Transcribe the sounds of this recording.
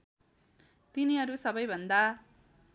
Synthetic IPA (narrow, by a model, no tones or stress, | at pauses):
t̪iniɦʌɾusʌbʌjbʱʌnd̪a